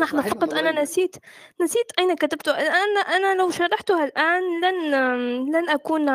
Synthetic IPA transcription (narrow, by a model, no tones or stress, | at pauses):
naħnafɑqɑt̪ˤʔananasiːt̪nasiːt̪ʔæjnakat̪abt̪ʊʔalʔanʔanalawʃɑɾˤɑħt̪ʊhalʔaːnlanlanʔakuːn